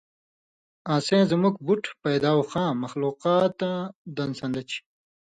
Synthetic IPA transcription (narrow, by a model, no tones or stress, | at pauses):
ãːsẽːzmukbuʈpɐjd̪aːwxãːmɐxluːqaːt̪ad̪ɐnsɐ̃nd̪ɐt͡ɕi̥